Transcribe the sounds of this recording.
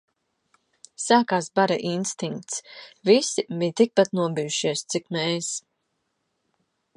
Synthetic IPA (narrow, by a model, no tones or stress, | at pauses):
saːkaːsbaɾa̰ʔinst̪iŋk̚t̪svisibiɲt̪ik̚pat̪nuɔbijuʃiɛst̪sikmɛːs